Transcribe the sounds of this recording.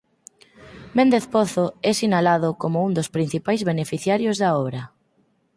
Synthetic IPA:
mẽnd̪eθpɔθoɛsinalaðʊkomʊund̪ospɾin̟θipajzβenefiθjaɾjozðaɔβɾɐ

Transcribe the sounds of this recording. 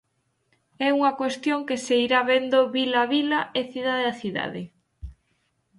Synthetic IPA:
ɛuŋɐkwest̪joŋkeseiɾaβend̪oβilaβilaeθiðaðeaθiða̰ðe

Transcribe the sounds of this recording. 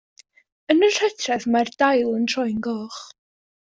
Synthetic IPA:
ənər̥ɛtʰrɛðmardajlˠəntʰrɔjnɡɔːχ

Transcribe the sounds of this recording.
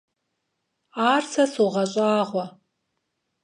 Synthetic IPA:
aːrsɐsuʁɐɕʼaːʁʷɔ

